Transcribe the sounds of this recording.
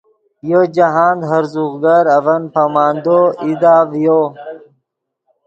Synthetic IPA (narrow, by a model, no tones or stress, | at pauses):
jod͡ʑaɦaːnd̪ɦɐɾzuɣɡɐɾɐvɐnpamaːnd̪oid̪aːvjo